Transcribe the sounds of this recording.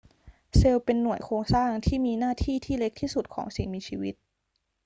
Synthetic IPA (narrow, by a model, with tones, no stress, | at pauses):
se˧wpe˧nːu˨˩əjkʰoː˧ŋsaː˥˩ŋt̪ʰiː˥˩miː˧naː˥˩t̪ʰiː˥˩t̪ʰiː˥˩le˦˥k̚t̪ʰiː˥˩su˨˩t̪̚kʰɔ̰ː˩˦ŋsi˨˩ŋmiː˧t͡ɕʰiː˧wi˦˥t̪̚